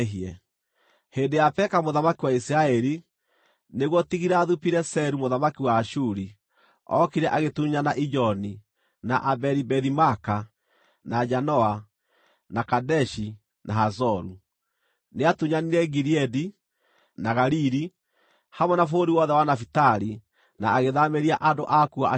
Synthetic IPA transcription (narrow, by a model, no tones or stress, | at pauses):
ɦiɛ | heːndejapɛkamoðamakiwaisiɾaɛɾi | neɣwɔtiɣiɾaːðupiɾɛsɛɾumoðamakiwaːʃuɾi | ɔ̰kiɾɛʔaɣetuɲanaʔid͡ʒɔni | naʔabɛɾibɛðimaka | nad͡ʒanɔa | nakadɛʃi | nʔaɦazɔɾu | neatuɲaniɾɛɡiɾiɛdi | naɣaɾiɾi | hamɔnafoɾiwɔðɛwanafitaɾi | naːɣeðameɾiaʔandoʔakua̰